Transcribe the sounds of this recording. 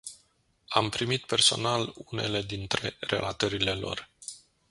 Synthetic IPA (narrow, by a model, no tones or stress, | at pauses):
ampɾimit̪̚pe̞rso̞̰nalune̞le̞d̪int̪ɾe̞̰re̞̰lʔat̪əɾile̞lo̞̰r